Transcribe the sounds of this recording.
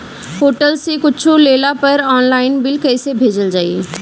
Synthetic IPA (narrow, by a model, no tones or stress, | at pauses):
ɦoːʈəlsekʊt͡ʃʰuleːlapɐɾɔːnlaːɪnbɪlkɛːsebʱeːd͡ʒəld͡ʒaːḭ